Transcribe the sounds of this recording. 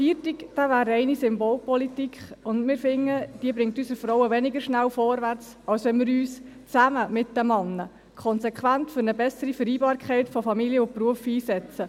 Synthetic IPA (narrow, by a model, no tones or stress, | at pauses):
fiːtɪkd̥avæːɾɛɪnisʏmboːlpɔlitikχʊndmɪːɾfɪŋːəd̥iəbɾɪŋtyːsəɾfɾɔwəʋɛnɪɡəɾʃnæwfɔɾʋæɾt͡s | ɑlsʋɛnmɪɾyːst͡sæməmɪt̚dəmɑnːə | kʰɔnsɛkχʋæntfʏɾnəbɛsəɾifəɾiːbɑːɾkʰχɛɪtfɔfɑmilijəʊpruəfiːsɛt͡sə